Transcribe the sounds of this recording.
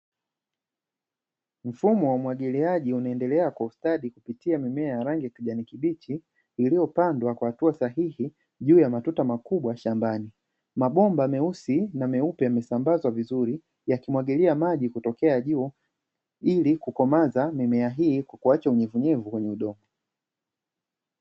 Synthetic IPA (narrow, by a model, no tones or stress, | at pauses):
m̩fumɔwamwaɠiliaʄiunaɛndɛlɛakwaustaɗikupitiamimɛajaɾaŋɡikiʄanikiɓit͡ʃi | ilijɔpandwakwahatuasaɦihi | ʄuːjamatutamakuɓwaʃambani | maɓɔmbamɛusinamɛupɛamɛsambazwavizuɾi | jakimwaɠiliamaʄikutɔkɛaʄuː | ilikukɔmazamimɛaɦiːkwakuat͡ʃauɲɛvuɲɛvukwɛɲɛuɗɔmɔ